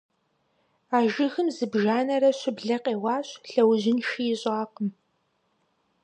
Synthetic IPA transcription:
aːʒɪxɨmzɨbʒaːnɐɾɐɕʷɪbɮɐqʼeːwaːɕɬɐwʑɪnʃijɪɕʼaːqəm

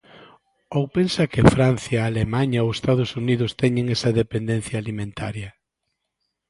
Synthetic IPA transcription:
owpensɐkɪfɾanθjɐalemaɲɐowest̪að̞ʊsuniðʊst̪ɛɲɪŋesɐðepend̪ẽn̟θjaːlimẽnt̪aɾjɐ

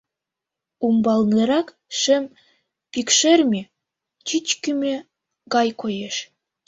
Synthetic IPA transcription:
umbɑlˠnɤɾɑk | ʃĕm | pikʃermʲe | t͡ɕit͡ɕkʲymʲĕ | ɡɑjkojeʃ

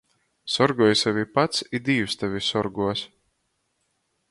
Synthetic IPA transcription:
sɔɾɡuɔjsavʲipat̪sid̪iːwst̪avʲisɔɾɡuɔs

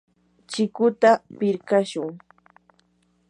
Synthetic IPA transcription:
t͡ʃɪkʊt̪apɪɾkaʃʊŋ

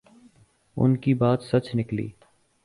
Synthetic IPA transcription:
ʊ̰nkibaːt̪sɐt͡ʃnɪklḭː

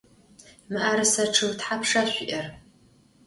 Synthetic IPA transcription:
mɨʔaːɾɨsɐʈ͡ʂʰɨwtħapʰʂaɕʷʊʔɐr

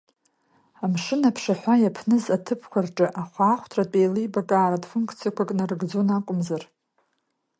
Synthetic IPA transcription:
amʂɨnapʰʂaħʷajapʰnɨzatʰɨpʰkʷʰarʈ͡ʂʼɨʔaχʷaːχʷtʰratʼejlɨjbakʼaːɾadfunkʰʼt͡sʰijakʷʰakʼnarɡd͡zonakʷʼʊmzar

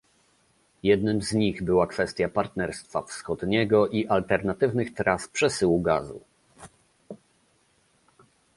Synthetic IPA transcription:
jɛd̪nɘmzɲiɣbɘwakfɛst̪ʲjapaɾt̪nɛɾst̪fa̰fsxɔd̪ɲɛɡɔʔiʔalt̪ɛɾnat̪ɘvnɘxt̪ɾaspʂɛsɘwuɡa̰zṵ

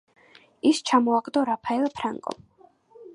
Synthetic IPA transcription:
ist͡ʃʰamɔaɡʼd̪ɔɾapʰaɛlpʰɾaŋkʼɔ̰m

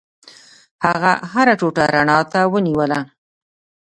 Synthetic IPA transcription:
haɣaɦaɾaʈoʈaɾaɳɑt̪awəniwəla

